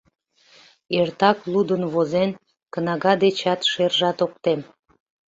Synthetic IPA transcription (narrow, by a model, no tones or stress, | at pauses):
ert̪ɑklˠud̪ənβozen | kənɑɣɑd̪et͡ɕɑt̪ʃerʒɑt̪ok̚t̪em